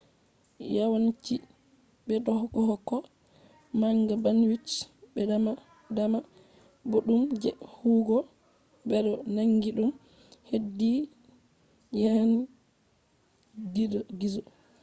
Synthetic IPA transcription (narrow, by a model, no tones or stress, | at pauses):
jawant͡ʃi | bɛdɔhɡɔhɔkːɔ | maŋɡabanwit͡ʃbɛdama | dama | boɗumd͡ʒɛhuːɡɔ | bɛɗɔnaŋɡiɗum | hedːi | jani | ɡidɔɡizɔ